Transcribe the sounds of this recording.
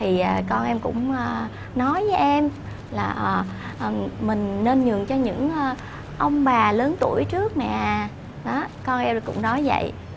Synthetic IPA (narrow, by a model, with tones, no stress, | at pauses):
t̪ʰi˨˩ʔəː˨˩kɔ˧nʔɛ˧mkʊ̰˧˥ŋ͡məː˨˩ | nɔ˨˦jvəː˨˦jʔɛ˧m | laː˨˩ʔəː˨˩ʔəː˨˩mï˨˩ŋ̟ne˧nɲɨ˨˩əŋt͡ɕɔ˧ɲɨ̰˧˥ŋʔəː˧ | ʔə˧wŋ͡mɓaː˨˩ləː˨˦nt̪u˧˩əjt͡ɕɨ˦˥ək̚ma̰ː˧˨ | ɗɔ˨˦kɔ˧nʔɛ˧m˨kʊ̰˧˥ŋ͡mnɔ˨˦jvə̰˧˨j